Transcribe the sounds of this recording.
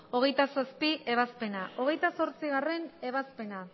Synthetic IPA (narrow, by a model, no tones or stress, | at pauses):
o̞ɣ̞e̞jt̪asaspiʔe̞β̞aspe̞naʔo̞ɣ̞e̞jt̪aso̞ɾt͡siɣ̞are̞ne̞βaspe̞na